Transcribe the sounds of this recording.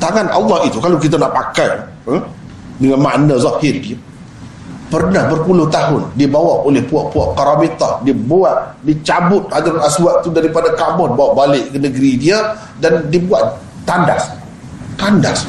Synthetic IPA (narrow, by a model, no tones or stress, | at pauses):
t̪aŋanʔa̰lːɑhit̪ukalakit̪̬anaʔpakaj | dəŋanma̰ʔnãzahɪrdia | pərnahbərpulʊht̪aɦʊndiəbawaʔolɛhpuaʔpuaʔkaɾabit̪ahdiəboaʔdit͡ʃabʊt̪̚adaɾaswaʔt̪udaɾipadakamɔdibawaʔbalɪʔkənəɡɾidia | dandiəbuat̪ | t̪andas | t̪anda̰s